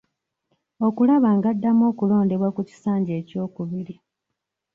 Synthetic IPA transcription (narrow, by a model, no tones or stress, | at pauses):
o̞kulaβaːŋɡadːamo̞ːkulo̞ːnde̞βwakuci̥saːɲɟe̞ːco̞ːkuβiɾi